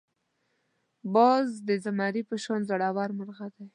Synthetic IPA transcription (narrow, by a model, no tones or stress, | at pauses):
bɑzd̪əzamɑɾipəʃwand̪zaɽawɑɾmaɾɣad̪aj